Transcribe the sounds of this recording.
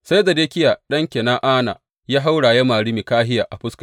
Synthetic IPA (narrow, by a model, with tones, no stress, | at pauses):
sa˦jza˨deː˦kʲɪ˦jaː˨ɗɐ˦ŋkʲe˨naː˦ʔaː˦na̰ː˨ | jaː˦ɦa˦wɽaː˨jɐ˦maː˨ɽi˦mi˨kaː˦ɦɪ˦jaː˨ʔa˨ɸʊ˦skḁ˨